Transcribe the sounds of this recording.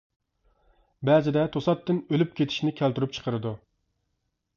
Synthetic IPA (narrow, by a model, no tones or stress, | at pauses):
bæzɪd̪ɛt̪ʰosɑt̪ːɨnølyp̚kʲʰet̪ʰɪ̥ʃnɪkʲʰælt̪yɾyp̚t͡ʃʰə̥qʰəɾɨd̪u